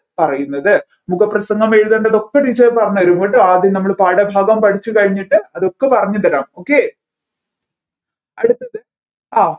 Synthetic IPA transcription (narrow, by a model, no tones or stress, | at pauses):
pɐrɐjunːɐðɨ | muɣɐprɐsɐŋɡɐmeɻuðɐɳɖɐðo̞kːeɖit͡ɕːɐpɐrɐɲːuʋɐɾumboːʈːɨaːd̪innɐmːɐɭpaːɽɐbʱaːɡɐmpɐʈʰit͡ɕːukɐɻiɲːiʈːɨɐðo̞kːe̞pɐrɐɲːut̪ːɐɾaːmo̞ːkːe̞ | ɐɽut̪ːɐðɨ | aː